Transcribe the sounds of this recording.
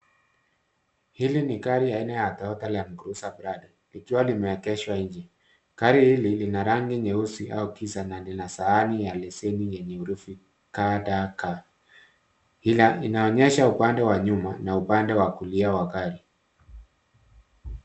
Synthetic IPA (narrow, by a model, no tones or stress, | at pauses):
hilinikaɾijainɛjatɔɔtalam̩ɡuɾusabɾadi | likiwalimɛɛkɛʃwaiɲd͡ʒɛ | kaɾihililinaɾaŋɡiɲɛusiʔa̰ukisananlinasaːnijalɛsɛnijɛɲɛuɾufi | kadaka | hilainaɔɲɛʃaupandɛwaɲumanaupandɛwakuliawakaɾi